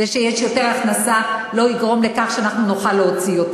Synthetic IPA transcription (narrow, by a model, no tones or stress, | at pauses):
eʃejeʃjo̞teʁaχnasalo̞iɡʁo̞mle̞kaχʃeanaχnunuχalːeot͡sio̞t